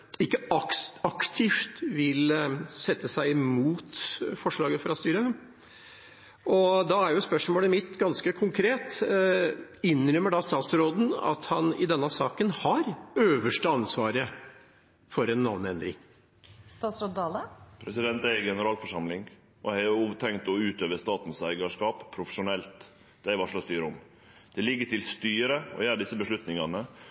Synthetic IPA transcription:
ɪkːəɑksɑkt̪ʰɪft̪ʋɪlsɛt̪ːəsæɪɪmuːt̪fɔʂɭɑːɡəfɾɑst̪yːɾə | ʔɔd̪ɑæɾjʊspœʂmoːləmɪt̪ːɡɑnskəkʰʊŋkʰɾeːt̪ | ɪnːɾœmːəɖɑst̪ɑːt̪sɾoːd̪n̩ɑ̰t̪hɑnɪ̰d̪ɛnːəsɑːkənhɑɾøːʋəʂʈəɑnsʋɑːɾə | fɔɾɛnːɑʋnɛnd̪ɾɪ̰ŋ | st̪ɑːt̪sɾoːd̪d̪ɑːləpʰɾɛsɪd̪ɛnt̪æɪɡɛnəɾɑːlfɔʂɑmlɪŋ | ʔɔhɑʊt̪ʰɛŋkt̪ɔʉːt̪øːʋəst̪ɑːt̪n̩sæɪɡɑʂkɑːppʰːɾʊfə̥ʂʊnɛlt̪ | d̪̥ɛæɪʋɑʂlɑst̪yːɾəɔm | d̪̥ɛlɪɡːəʈʰɪlst̪yːɾəɔ̰jæːɾəɖ̪ɪsːəbəʂlʉt̪nɪŋɑnə

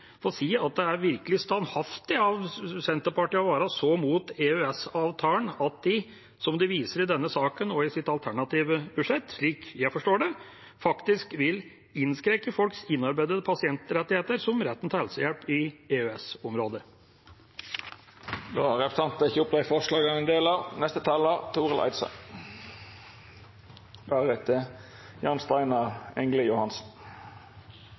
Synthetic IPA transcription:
fɔɾɔsiːɑt̪̚d̪ɛæɾʋɪɾkəlɪst̪ɑnhɑft̪ɪɑʋsɛnt̪əɾpʰɑʈɪɑʋɑːɾɑsɔmuːt̪eœɛsɑːʋt̪ʰɑːənɑt̪̚d̪ɪ | sɔmd̪ɪʋiːsəɾɪd̪ɛnːəsɑːkənɔɪsɪt̪ɑlt̪ʰæɳɑt̪iːʋəbʉʂɛt̪ːʂɭiːkjæɪfɔʂʈoːɖɛ | fɑkt̪ɪskʋɪl | ɪnskɾɛkəfɔlksɪnːɑɾbæɪd̪əd̪əpʰɑsɪɛnt̪ɾɛt̪ːɪheːt̪əɾsɔmɾɛt̪ːənt̪ʰɑhɛlsəjɛlpɪeːøɛsɔmɾoːd̪ə | d̪oːʁɛpə̥sɑnt̪əɪçəʊpd̪æɪfɔʁʂlɑːɡɑnɛnd̪eːlɑnɛst̪ət̪ʰɑːləʁt̪ʰuːʁəlʔɑ̰ɪt̪sɑ̰ | bæʁɛt̪ʰə | jɑnst̪ɑɪnɑʁɛŋləjʊhɑnsn̩

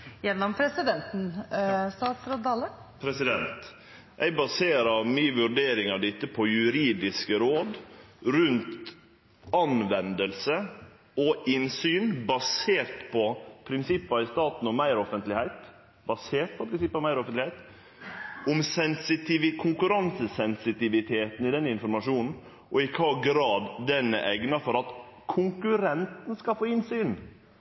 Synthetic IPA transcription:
jɛnːɔmpʰɾɛsɪd̪ɛnt̪n̩st̪ɑːt̪sɾoːd̪ɑlə | pʰɾɛsɪd̪ɛnt̪ | ʔæɪbɑseːɾɑmyːʋʉɾɖeːɾɪŋɑd̪ɪt̪ːəpʰɔjʉɾiːd̪ɪskəɾoːd̪ɾʉnt̪ | ɑnʋɛnd̪əlsə | ɔɪnsyːnbɑseːɾt̪pʰɔpʰɾɪnsɪpːɑɪst̪ɑːt̪n̩ɔmmæɪɾɔfənt̪lɪhæɪt̪ | bɑseːɾʈ̪̚pʰɔpʰɾɪnsɪpːɑʋmæɪɾɔfənt̪lɪhæɪt̪ | ɔmsɛnsɪt̪ɪʋɪkʰʊŋkʉɾɑnsəsɛnsɪt̪ɪʋɪt̪ʰeːt̪n̩ɪd̪ɛnːɪnfɔɾmɑʂuːnn̩ | ʔɔɪkʰɑɡɾɑːd̪ːɛnːə̰ʔɛɡnɑfɔɾɑt̪ | kʰʊŋkʉɾɛnt̪n̩skɑlfoːɪnsyːn

